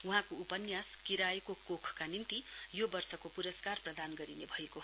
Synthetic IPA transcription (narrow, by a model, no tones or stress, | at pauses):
uɦãkoupʌnjaskiɾajkokokʰkanint̪ijobʌrsʌkopuɾʌskarprʌd̪anɡʌɾinebʱʌjeko